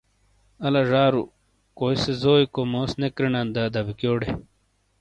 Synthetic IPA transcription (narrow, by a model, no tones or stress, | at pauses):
ɐlaʐaːɾṵ | koːjsezoːikomoːsnekɾinand̪ad̪ɐbikjoːɽe